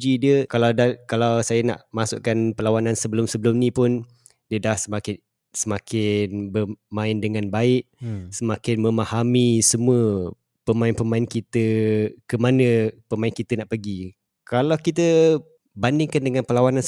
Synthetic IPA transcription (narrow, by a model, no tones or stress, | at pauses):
d͡ʒidiəkalawdakalawsajəna̰ʔmasʊ̰ʔkanpəlawanãnsəbəlʊmsəbəlʊmnĩpʊn | diədahsəmakɪn | səmakʰɪnbəmãɪndəŋãnbaɪʔsəmakɪnməmahamisəmũə | pəmãɪnpəmaɪnkit̪əkəmanəpəmaɪnkit̪ənaʔpəɡi | kalawkit̪̬ə | bandɪŋkandəŋãnpəlawanãn